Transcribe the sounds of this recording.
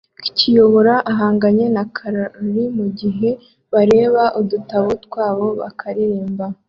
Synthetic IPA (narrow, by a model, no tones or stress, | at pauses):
ki̥cijo̞βo̞ɾaʔaɦaːŋɡaɲe̞nakʰaɾaɾimuɟiɦe̞ | βaɾe̞ːβaʔudutaβutkwaːβo̞βa̰kʰaɾiɾiːmba